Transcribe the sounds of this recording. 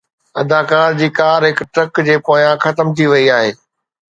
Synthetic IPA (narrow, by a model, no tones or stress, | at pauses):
ɐd̪ʱaːkaːɾd͡ʑiːkaːɾɦɪkʈɾɐkd͡ʑeːpoːjãxɐt̪əmt̪ʰiʋɐiaːɦeː